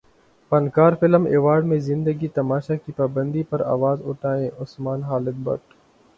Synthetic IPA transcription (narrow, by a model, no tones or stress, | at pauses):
pɐnkaːɾfɪləmeːʋaːɾɖmẽzɪ̃nd̪əɡit̪ɐmaːʃakipaːbə̃nd̪ipɐɾa̰ːʋaːzʊʈaːẽːʔʊsmaːnɦaːlɪd̪̚bɐ̰ʈ